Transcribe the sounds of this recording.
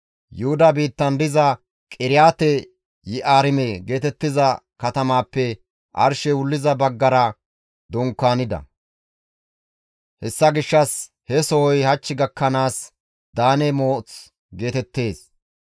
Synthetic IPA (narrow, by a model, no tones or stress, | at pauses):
jʊhʊd̪ɐbiːt̪ːɐnd̪ɪzɐ | kʼɪɾɪjaːt̪ɛ | jɪʔaːɾɪmeɡe̞ːt̪ɛt̪ːɪzɐ | kɐt̪ɐmaːpːɛ | ʔɐ̰ɾʃɛwʊlːɪzɐbɐɡːɐɾɐ | d̪ɔŋkːaːnɪd̪ɐ̰ | hɛsːɐɡɪʃːɐs | hɛsɔhɔjhɐt͡ʃːɪɡɐkːɐnaːs | d̪aːnɛmo̞ːt͡s | ɡe̞ːt̪ɛt̪ːe̞ːs